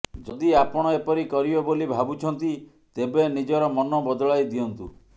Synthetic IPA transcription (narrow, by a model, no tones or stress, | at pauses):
d͡ʒɔd̪iapɔɽ̃ɔepɔɾikɔɾibɔbolibʱabut͡ʃʰɔnt̪i | t̪ebenid͡ʒɔɾɔmɔnɔbɔd̪ɔɭajd̪iɔnt̪ṵ